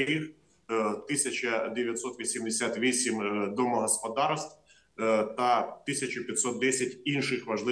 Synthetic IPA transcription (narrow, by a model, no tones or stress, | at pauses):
ix | t̪ɪsʲɐt͡ʃɐd̪eʋʲjɐt̪sɔt̪ʋʲisʲimd̪esʲat̪ʋʲisʲimd̪ɔmɔɦɔspɔd̪ɑrst̪w | t̪ɐt̪ɪsʲɐt͡ʃʊpʲjɐt̪sɔt̪̚d̪ɛsʲɐtʲinʃɪxʋɐʒlˠɪ